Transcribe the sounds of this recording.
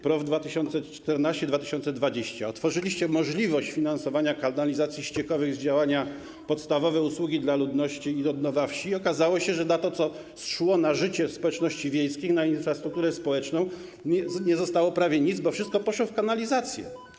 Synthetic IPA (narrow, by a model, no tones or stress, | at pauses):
pɾɔvd̪vat̪ɘɕɔnt̪sɛt͡ʂt̪ɛɾnaɕt͡ɕɛd̪vat̪ɘ̥ɕɔnt̪sɛd̪vad͡ʑeɕt͡ɕaɔt̪fɔʐɘlʲiɕt͡ɕɛmɔʐlʲivɔɕt͡ɕfʲinansɔvaɲakanalʲizat̪sʲjiɕt͡ɕɛkɔvɘɣzd͡ʑawaɲa | pɔt̪st̪avɔvɛuswuɡʲid̪lalud̪nɔɕt͡ɕiːɾɔd̪nɔvafɕiɔkazawɔɕɛʐɛnat̪ɔt̪sɔ | sʂwɔnaʐɘt͡ɕɛspɔwɛt͡ʂnɔɕt͡ɕivʲjejskʲixnainfɾast̪ɾukt̪uɾɛspɔwɛt͡ʂnɔ̃w̃ | ɛɲɛzɔst̪awɔpɾavʲjɛɲid̪zbɔfʂɘst̪̚kɔpɔʂwɔfkanalʲizat̪sʲjɛ̰